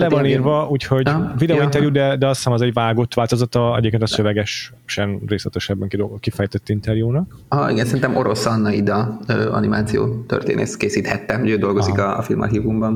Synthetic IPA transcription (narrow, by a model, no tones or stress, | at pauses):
lɛvɒniːrvɒuːcho̞ɟvid̪ɛoint̪ɛrjud̪ɛd̪ɛɒsaːmɒzɛɟʋaːɡo̞t̪ʋaːlt̪o̞zɒt̪ɒɛ̰ɟeːpkent̪ɒsøvɛɡɛʃ | ʃɛnreːslɛt̪ɛʃɛbːɛŋkid̪okifɛjt̪ɛt̪ːint̪ɛrjuːnɒk | ɒʔḭɡɛnsɛɾint̪ɛmʔoɾo̞sɒnːɒid̪ɒøːɒ̰nimaːt̪sijo̰ːt̪ø̰rt̪ḛːnḛːskeːsiːt̪hɛt̪ːɛuøːd̪o̞lɡo̞zikɒfilmɒ̰ɦivumbɒn